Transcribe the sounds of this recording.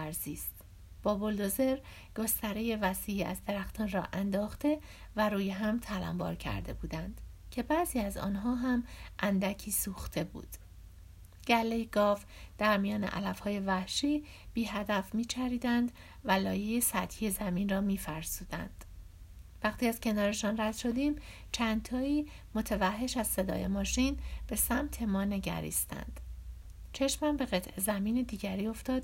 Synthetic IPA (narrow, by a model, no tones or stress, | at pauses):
æɾziːst̪ | b̥ɒːbold̪oze̞ɾ | ɡ̥ost̪æɾeje̞væsiːiːæ̰zd̪e̞ɾæxt̪ʰɒːnrɒːʔænd̪ɒːxt̪e̞ | væɾuːjeɦæmt̪ʰælæ̰mbɒ̰ːɾcʰæ̰ɾd̪e̞̰buːd̪ænd̪̥cʰe̞bæːziːæzɒ̰ːnɦɒːɦæmʔænd̪æcʰiːsuːxt̪ʰe̞bṵːd̪̥ | ɟ̥ælːejeɡɒːf | d̪̥æɾmijɒːnḛʔæ̰læfhɒːje̞væhʃiː | b̥iːɦæd̪æfmiːt͡ʃʰæɾiːd̪ænd̪ | vælɒːjejesæt̪hiːje̞zæmiːnrɒːmiːfæɾsuːd̪æ̰nd̪̥ | væχt̪ʰiːæz̥cʰe̞nɒːɾe̞ʃɒːnræd̪̥ʃo̞d̪iːm | t͡ʃʰænt̪ʰɒːiː | mo̞t̪ʰevæhːe̞ʃæzse̞d̪ɒ̰ːje̞̰mɒːʃiːnb̥e̞sæmt̪ʰe̞mɒːne̞ɟæ̰ɾḭːst̪æ̰nd̪̥ | t͡ʃʰe̞ʃmæmbe̞ɣe̞t̪ʰʔe̞zæmiːned̪iːɟæɾiːo̞ft̪ɒːd̪̥